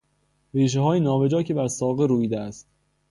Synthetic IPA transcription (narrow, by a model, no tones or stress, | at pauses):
ɾiːʃ̬eɦɒːjinɒːve̞d͡ʒɒːcʰe̞bæɾsɒːɣeɾuːjiːd̪eæst̪